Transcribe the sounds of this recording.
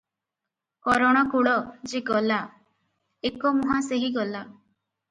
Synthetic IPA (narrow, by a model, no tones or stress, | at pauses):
kɔɾɔɽ̃akuɽɔd͡ʒeɡɔla | ekɔmuɦaseɦiɡɔla